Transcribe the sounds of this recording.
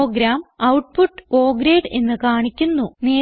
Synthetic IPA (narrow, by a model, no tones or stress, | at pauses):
oːɡɾaːmɐwʈpuʈːko̞ːɡɾeːɖe̞nːɨkaːɳikʲːunːuneː